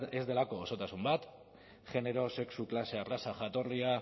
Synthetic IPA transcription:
e̞zd̪e̞lako̞ːso̞t̪asumbat̪ | ʝe̞ne̞ɾo̞se̞ksuklase̞arasaʝat̪o̞ria

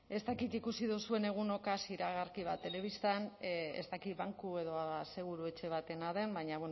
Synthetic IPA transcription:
e̞st̪akit̪ikusiðusue̞ne̞ɣ̞uno̞kasiɾaɣ̞aɾkiβ̞at̪e̞le̞β̞ist̪anḛst̪akit̪βaŋkue̞ðo̞ase̞ɣ̞uɾue̞t͡ʃe̞β̞at̪e̞naðe̞mbaɲaβweno

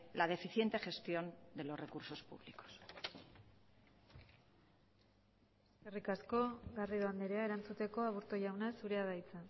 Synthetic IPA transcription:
lað̞e̞fiθje̞nt̪e̞χe̞st̪jo̞nd̪e̞lo̞sre̞kuɾso̞spṵβliko̥s | eeskerikasko̞ɣariðoand̪eɾeae̞ɾant͡sut̪e̞ko̞aβuɾt̪oʝawnasuɾe̞aðajt͡sa

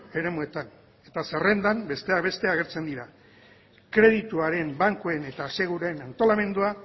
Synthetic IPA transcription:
e̞ɾe̞mue̞t̪an | e̞t̪asere̞nd̪ambe̞st̪e̞aβe̞st̪e̞aɣ̞e̞ɾt͡se̞nd̪iɾa | kɾe̞ð̞it̪uaɾe̞mbaŋkoene̞t̪ase̞ɣ̞uɾuenant̪o̞lame̞nd̪ua

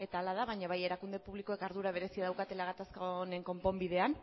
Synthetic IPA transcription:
e̞t̪aːlað̞aβaɲaβ̞aje̞ɾakund̪e̞puβlikoe̞kaɾð̞uɾaβ̞e̞ɾe̞siaðawkat̪e̞laɣat̪askaone̞ŋko̞mpo̞mbið̞e̞an

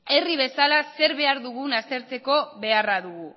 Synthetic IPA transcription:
e̞riβ̞e̞salase̞ɾβe̞aɾðuɣ̞unast̪e̞ɾt͡se̞ko̞βe̞araðuɣu

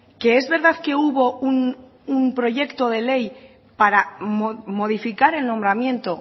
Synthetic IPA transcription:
ke̞ezβe̞ɾð̞aðke̞uβo̞un | umpɾo̞ʝe̞kt̪o̞ð̞e̞le̞j | paɾamomo̞ð̞ifikaɾe̞lno̞mbɾamjẽ̞nt̪o̞

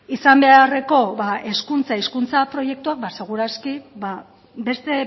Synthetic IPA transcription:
isambe̞are̞ko̞βaʔe̞skunt͡saiskunt͡sapɾo̞je̞k̚t̪uak̚base̞ɣ̞uɾaskiba | be̞st̪e̞

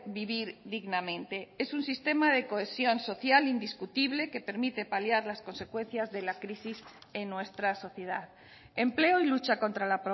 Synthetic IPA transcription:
biβiɾðiɣnamẽ̞nt̪e̞e̞sunsist̪e̞maðe̞ko̞esjo̞nso̞θjalind̪iskut̪iβle̞ke̞pe̞ɾmit̪e̞paljaɾlasko̞nse̞kwẽ̞n̟θjazðe̞lakɾisis | enːwe̞st̪ɾaso̞θjeðað | e̞mple̞oilut͡ʃako̞nt̪ɾalapɾo

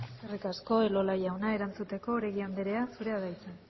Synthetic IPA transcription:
eskerikasko̞elo̞lajawnae̞ɾant͡sut̪e̞ko̞ːɾeɣiand̪eɾe̞asuɾe̞aðajt͡sen

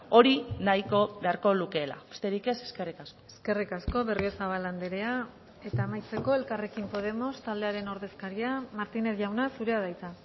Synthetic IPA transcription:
o̞ɾinajko̞beaɾko̞luke̞ːla̰best̪e̞ɾike̞se̞̥ske̞rikasko̥eske̞rikasko̞βe̞riosaβ̞aland̪eɾe̞a | e̞t̪aemajt͡se̞ko̞e̞lkare̞kimpo̞ð̞e̞mo̞st̪ald̪e̞aɾe̞no̞ɾðe̞skaɾiamaɾt̪ine̞θʝawnasuɾe̞að̞ajt͡s̪a

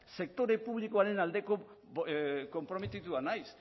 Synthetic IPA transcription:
se̞k̚t̪o̞ɾe̞puβlikoaɾe̞nald̪e̞ko | ko̞mpɾo̞met̪it̪uanajs

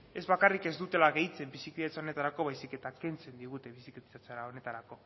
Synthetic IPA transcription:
e̞zβakarike̞zd̪ut̪e̞laɣe̞jt͡se̞mbisikiðet͡sao̞ne̞t̪aɾako̞β̞ajsike̞t̪ake̞nt͡se̞nd̪iɣ̞ut̪e̞βisikt̪aat͡saɾaone̞t̪aɾako̞

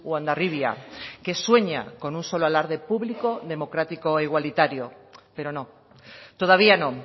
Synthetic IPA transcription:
wand̪ariβja̰keswe̞ɲa̰ko̞nunso̞loalaɾðe̞puβliko̞ðe̞mo̞kɾat̪ikoeiɣ̞walit̪aɾjope̞ɾo̞nõ | t̪oðaβianõ

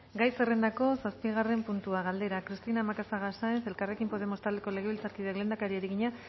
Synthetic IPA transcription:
ɡajse̞re̞nd̪ako̞saspiɣ̞are̞mpunt̪uaɣald̪e̞ɾakɾist̪inamakasaɣasaense̞lkare̞kimpo̞ð̞e̞mo̞st̪ald̪eko̞le̞ɣ̞e̞βilt͡saɾkiðeɣle̞nd̪akaɾieɾiɣiɲa

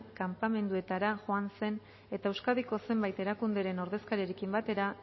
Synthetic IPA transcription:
kampame̞nd̪ue̞t̪aɾaʝoanse̞n | e̞t̪aewskaðiko̞se̞mbajt̪e̞ɾakund̪e̞ɾe̞no̞ɾðe̞skaɾjeɾekimbat̪e̞ɾa

